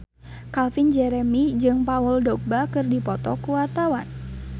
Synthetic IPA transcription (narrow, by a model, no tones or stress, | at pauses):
kalfind͡ʒɛɾɛmid͡ʒɨŋpaɔldɔk̚bakɨrdipɔt̪ɔkuwart̪awan